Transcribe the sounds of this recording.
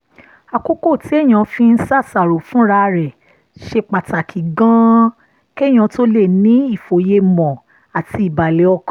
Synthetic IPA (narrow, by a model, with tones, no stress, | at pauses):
a˨ko˦ko˦˨ti˨˦ɛ˦˨j̃ã˧fĩ˧n̩˦sa˦˨sa˨ɾo˨fũ˦ɾa˧ɾɛ˨ | ʃe˧k͡pa˨ta˨kʰi˨ɡã˦ | kɛ˦˨j̃ã˨˧to˦le˦˨nĩ˨˦i˦˨fo˨je˧mɔ̃˨ | a˨ti˧˦i˨ba˨le˨˦ɔ˧kã˨˦